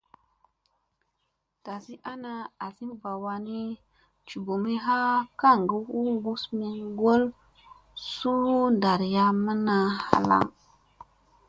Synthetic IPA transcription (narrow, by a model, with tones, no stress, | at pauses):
ta˨si˦ʔa˦na˨a˨si˦mba˨wa˧ni˦ | t͡ʃu˨bo˨mi˦ɦa˦ka˦˨ŋɡə˦hu˦ŋɡu˦smi˨ɡo˦l | su˦u˦nda˨ɾja˦mə˦na˨ha̰˨la̰˦˨ŋ